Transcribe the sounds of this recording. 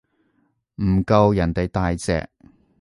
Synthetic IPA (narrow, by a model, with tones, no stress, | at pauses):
m̩˨˩kɐ˧wjɐ˨˩nt̪e˨jt̪aː˨jt͡sɛ̰ː˨k̚